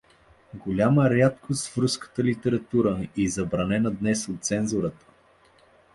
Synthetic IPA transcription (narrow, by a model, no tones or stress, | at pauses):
ɡolʲaməɾat̪̚kʰost̪fɾuskə̥t̪əlit̪ɛɾɐt̪uɾəizɐbɾɐnɛnəd̪nɛsot̪̚t̪sɛnzʊɾət̪ə̥